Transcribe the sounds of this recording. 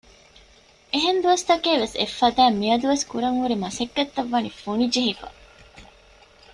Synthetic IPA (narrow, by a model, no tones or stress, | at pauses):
ʔeɦend̪uʋɐst̪ɐkeːʋesḛfːɐd̪æːmːiɐd̪uʋeskuɾɐŋhuɾimɐsekːɐt̪ːɐʋːɐnifunid͡ʒeɦifɐ̰